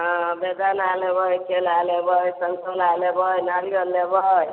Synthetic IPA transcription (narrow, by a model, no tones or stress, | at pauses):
bed̪analebʱʌjkelalebʱʌjsʌnsolalebʱʌjnaliʌlːebʱʌj